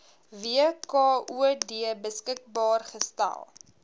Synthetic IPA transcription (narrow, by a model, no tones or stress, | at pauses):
viəkɑːuədiəbəskək̚bɑːrχəstæ̰lˠ